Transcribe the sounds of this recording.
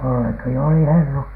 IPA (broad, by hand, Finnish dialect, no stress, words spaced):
jolːɑki oli helːut